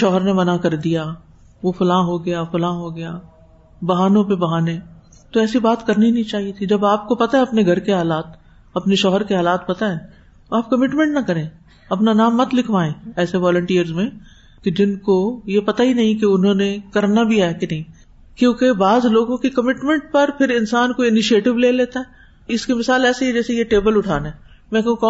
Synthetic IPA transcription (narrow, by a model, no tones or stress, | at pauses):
ʃɔːɦəɾnemɐnakɐɾd̪ija | ʋofɐlaːɦoɡɐjafɐlaːɦoɡɐjaː | bɐɦaːnõpebɐɦaːnẽ | t̪oɛːsibaːt̪kɐɾninɐɦĩt͡ʃaːɦiet̪ʰid͡ʒɐbaːp̚kopɐt̪aɛɐpneɡʱɐɾkeɦaːlaːt̪ | ɐpneʃɔːɦəɾkeɦaːlaːt̪̚pɐt̪aɛ̃ | t̪oaːp̚kɐmɪʈmɛ̃ɳʈnɐkɐɾẽː | ɐpnanaːmːɐt̪lɪkʰʋaːẽːɛːseʋaːlə̃ɳʈiːəɾzmẽ | ked͡ʒɪnkojepɐt̪aɦinɐɦĩkeʊnɦõːnekɐɾnabʱiaːɦɛkenɐɦĩ | kjõːkebaːzloːɡõkikɐmɪʈmɛ̃ɳʈ̚pɐɾpʰɪɾɪnsaːnkoɪnɪʃieːʈɪʋleːleːt̪aɦɛː | ɪskemɪsaːlɛːseɦɛd͡ʒɛːsejeʈeːbəlʊʈʰa̰ːneː | mɛ̃kɐɦũkɔː